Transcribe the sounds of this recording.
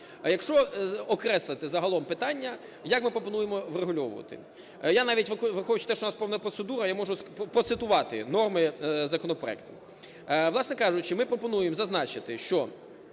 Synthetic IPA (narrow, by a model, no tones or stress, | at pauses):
jɐkʃt͡ʃɔɔkɾɛslˠɪt̪ɪzɐɦɐlˠɔmpɪt̪ɑnʲːɐ | jɐkmɪpɾɔpɔnujemɔʋreɦʊlʲɔʋʊ̰ʋɐ̰t̪ɪ̰ | janɑʋʲitʲʋʋɪxɔʊt͡ʃʊ̥t̪ɛʃoʊnɑspɛwnɐpɾɔt̪sed̪uɾɐjamɔʐʊpɾɔt̪sɪt̪ʊʋɑt̪ɪ̰nɔrmɪzɐkɔnɔpɾɔ̰ɛ̰kt̪ɐ̥ | ʋlˠɑsnɛkɑʐʊt͡ʃɪmɪpɾɔpɔnujemzɐznɑt͡ʃɪt̪ɪʃt͡ʃɔ